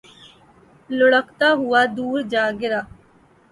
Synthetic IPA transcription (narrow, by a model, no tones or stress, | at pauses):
lʊɽəkt̪aɦʊad̪uːɾd͡ʒaːɡɪɾaː